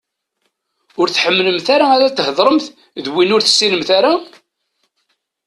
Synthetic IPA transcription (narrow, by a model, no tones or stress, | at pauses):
ʊɾθħəmːləmθaɾaaɾat̪ːəhəðˤɾˤəmθ | ðwinʊɾθə̥sːiləmθaɾa